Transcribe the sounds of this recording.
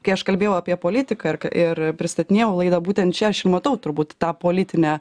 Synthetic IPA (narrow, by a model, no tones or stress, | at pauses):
kɐɪɐʃkɐlʲbʲeːjɛʊɐːpʲiɛpoːlʲɪt̪ʲɪkɐɪrkɐʔɪrpʲɾʲɪst̪ɐt̪ʲɪnʲeːjɛʊlˠɐɪd̪ɐbuːt̪ʲɛnt̪t͡ʃʲɛɐʃɪrmɐt̪ɐʊt̪ʊrbuːt̪t̪ɑːpoːlʲɪt̪ʲɪnʲæː